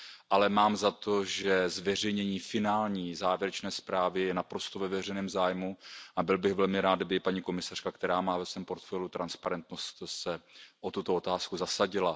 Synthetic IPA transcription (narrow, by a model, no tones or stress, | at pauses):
ʔalɛmaːmzat̪o̞ʒɛzvɛr̝ɛjɲɛɲiːfɪnaːlɲiːzaːvjɛɾɛt͡ʃnɛːspɾaːvɪjɛnapɾo̞st̪ovɛvɛr̝ɛjnɛːmzaːjmuʔabɪlbɪɣvɛlmɪɾaːt̪dabɪpaɲiːko̞mɪsar̥kakt̪ɛɾaːmaːvɛsvɛːmpo̞ɾt̪fɛlut̪ɾʔanspaɾɛnt̪no̞st̪sɛʔot̪ut̪oot̪aːskuzasaɟɪla